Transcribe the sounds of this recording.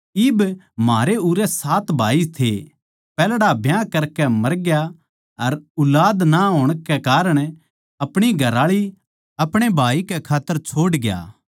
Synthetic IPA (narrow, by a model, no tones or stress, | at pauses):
ɪb | maːɾeuɾɛsaːt̪bʱaːit̪ʰe | pɛːlɽabʱjãkɐɾkɛmɐɾɡja | ɐɾʊlaːd̪naɦoːɽ̃kɛkaːɾəɽ̃ | ɐpɽ̃iɡʱɐɾaːɭi | ɐpɽ̃ebʱaːikɛkʰaːt̪ːəɾt͡ʃʰoːɽɡja̰ː